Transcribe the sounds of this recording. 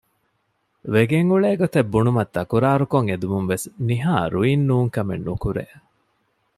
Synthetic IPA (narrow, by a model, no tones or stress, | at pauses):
ʋeɡeŋɡuɭeːɡot̪ebːunumɐt̪ːɐkuɾaːɾukoŋed̪umuŋʋesniɦaːɾuinːuːŋkɐmḛnːukuɾḛ